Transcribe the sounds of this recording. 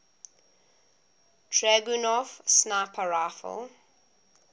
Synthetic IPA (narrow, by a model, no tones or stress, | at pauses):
tʰɹɛɡunɔfsnapʰəɹafə̰l